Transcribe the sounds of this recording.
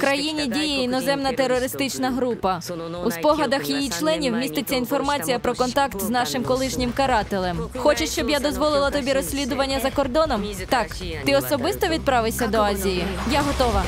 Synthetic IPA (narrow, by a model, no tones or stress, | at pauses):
kɾɐjinʲidʲijiinɔzɛmnɐt̪erːɔɾɪst̪ɪt͡ʃnɐɦɾupɐ | uspɔɦɐd̪ɐxjijit͡ʃlˠɛnʲiwmʲist̪ɪt͡sʲːɐinfɔrmɑt͡sʲijɐpɾɔkɔnt̪ɑkt̪znɑʃɪmkɔlˠɪʃnʲɪmkɐɾɑt̪elˠɛmxɔt͡ʃɪʃt͡ʃɔbjad̪ɔzʋɔlˠɪlˠɐt̪ɔbʲiɾɔsʲlʲid̪ʊʋɐnʲːɐzɐkɔrd̪ɔnɔm | t̪ɑk | t̪ɪɔsɔbɪst̪ɔʋʲid̪̚pɾɑʋɪsʲɐd̪ɔɑzʲijijaɦɔt̪ɔʋɐ